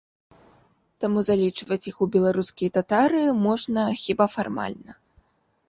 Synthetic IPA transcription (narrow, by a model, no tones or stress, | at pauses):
t̪amuzalʲit͡ʂvɐt͡sʲixubʲɛlˠaɾuskʲijɐt̪at̪aɾɨmɔʐnɐxʲibafarma̰lʲnɐ